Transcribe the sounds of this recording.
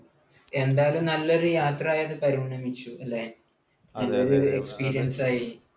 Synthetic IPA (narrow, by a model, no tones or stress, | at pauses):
e̞nd̪aːlumnɐlːɐɾɨjaːt̪raːjɐðɨpɐɾimɳɐmit͡ɕːuɐlːe | elːɐɾoekspiːɾijɐnsaːji